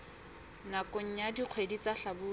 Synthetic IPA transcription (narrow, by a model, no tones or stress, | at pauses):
nakoɲ̩ɲadiq͡χʰwedit͡saɬabʊː